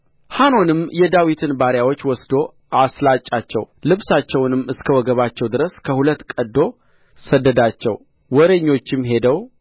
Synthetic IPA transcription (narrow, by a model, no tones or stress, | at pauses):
hano̞nɨmjɛd̪awit̪ʰɨnbaɾjawo̞t͡ʃːwɔsd̪o̞ | ʔaslat͡ʃʼːat͡ʃːɛ̰w | lɨβsat͡ʃːɛwnɨmːɨskʰəwɔɡəβat͡ʃːɛwd̪ɨɾəskʰəhulət̪ːkʼəd̪ːo̞ | səd̪ːəd̪at͡ʃːɛ̰w | wɔɾeɲːo̞t͡ʃːɪmɦe̞d̪əw